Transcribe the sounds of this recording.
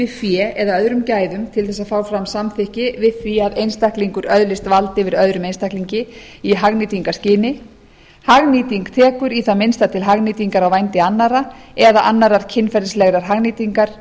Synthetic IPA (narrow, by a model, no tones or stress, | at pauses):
vɪfjɛɛðaœðɾʏmcaːjðʏmt̪ʰɪlθɛsːaðfaːwfɾamsamθɪhcɪvɪfjiaðejnst̪ahkliŋkʏɾœðlɪst̪valt̪ɪvɪɾœðɾʏmejnst̪akliɲcɪ | iɦaɣniːt̪iŋkascɪːnɪ | haɣniːt̪iŋkt̪ʰɛːkʏɾiθamɪnst̪at̪ʰɪlɦaɣniːt̪iŋkaɾawvajnt̪ɪanːaɾaɛðaʔanːaɾaɾ̥cʰɪnːfɛɾðslɛɣɾaɾ̥ɦaɣniːt̪iŋkaɾ̥